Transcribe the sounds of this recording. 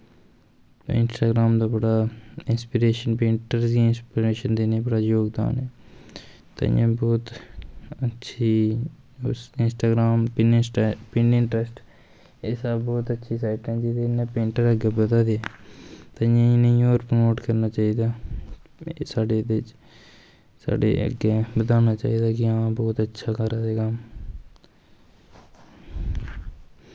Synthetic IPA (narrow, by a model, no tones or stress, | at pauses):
ɪ̰nsʈaːɡɾaːmd̪aːbəɽaːɪnspiɾeːʃənpẽːɳʈəɾdiɪnspiɾeːʃənd̪eːnẽːbəɽaːjoːɡd̪a̰ːnɛː | t̪ə̰jã̰ːbɔːt̪ | ətːʃʰiː | ʊsɪnsʈaːɡɾaːmpɪʈpẽːɳɖɪ̃ʈɾəsʈ | eːsabɔːt̪ətːʃʰiːsaːɪʈɛ̃ːd͡ʒit̪enẽːpẽɳʈəɾəɡeːbət̪aːd̪eɛt̪ajẽːinẽĩoːɾpɾəmoːʈkəɾnaːt͡ʃaːiːd̪aː | saːɖeːd̪et͡ʃ | sa̰ːɖḛːə̰ɡeːbət̪aːnaːt͡ʃa̰ːiːd̪aːkɪãːbɔːt̪ətːʃʰaːkəɾaːd̪eːkam